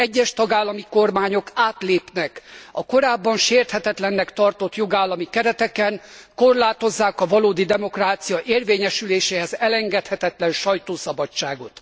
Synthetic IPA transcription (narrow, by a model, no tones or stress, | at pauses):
ɛɟːɛʃt̪ɒɡaːlːɒmiko̞rmaːɲo̞kaːt̪leːpnɛkɒko̞ɾaːbːɒnʃeːrt̪hɛt̪ɛt̪lɛnːɛkt̪ɒrt̪o̞t̪jo̞ɡaːlːɒmikɛɾɛt̪ɛkɛnko̞rlaːt̪o̞zːaːkɒvɒloːd̪id̪ɛmo̞kraːt̪sijɒʔeːrveːɲɛʃyleːʃeːhɛzɛlɛŋɡɛt̪hɛt̪ɛt̪lɛnʃɒjt̪oːsɒbɒt͡ʃt͡ʃːaːɡo̞t̪